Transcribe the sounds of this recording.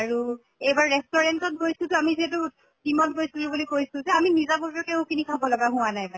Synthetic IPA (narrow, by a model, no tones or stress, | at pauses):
aɹu | ejbaɹɹɛk̚tɔɹɛntɔt̚bojsutʊamiziɛtʊ | kimɔt̚bojstulubulikojsʊ̃zɛaminizabɔtɹɔkeʊ̃kinikʰabɔlɔɡaɦʊ̃wanajpa